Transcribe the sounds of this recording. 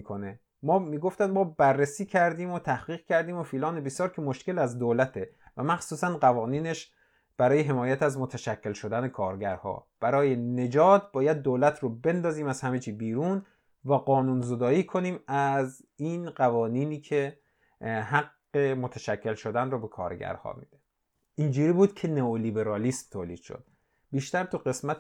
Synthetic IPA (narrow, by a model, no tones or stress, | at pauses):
ikʰone | mɒːmiːɡoft̪ænmɒːbærːesiːcʰæɾd̪iːmot̪ʰæhɡiːɣcʲʰæɾd̪iːmofiːlɒːnebesjɒːɾkʰemoʃke̞læzd̪oːlæt̪ʰevæmæxsuːsænɢævɒːniːne̞ʃ | b̥æɾɒːjeɦe̞mɒːjæt̪æzmot̪ʰæʃæcʰːe̞lʃo̞d̪ænekʰɒːɾɟæɾhɒ̰ːb̥æɾɒːjene̞d͡ʒɒːt̪̚bɒːjæd̪̚ːoːlæt̪ʰɾobe̞nd̪ɒːziːmæzhæmet͡ʃʰiːbiːɾuːn | væɢɒːnuːnzod̪ɒːiːkʰo̞niːmæz | inɢævɒːniːniːkʰe̞ | hæɡːe̞mot̪ʰæʃækʰːe̞lʃo̞d̪ænrɔːbe̞kʰɒ̰ːɾɟæ̰ɾhɒ̰ːmḭːd̪̥e | ʔind͡ʒuːɾiːbuːd̪cʰe̞neoliːbe̞ɾɒːlismt̪ʰoːliːd̪̥ʃo̰d̪̥ | biːʃt̪æɾt̪ʰuɢe̞smæt̪